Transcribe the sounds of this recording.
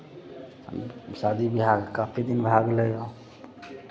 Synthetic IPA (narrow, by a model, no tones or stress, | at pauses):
ə̰msad̪ibiɦaɡkapʰid̪inbʱaɡlejo